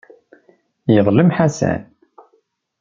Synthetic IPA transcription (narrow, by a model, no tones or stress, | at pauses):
jəðˤləmħasæ̰n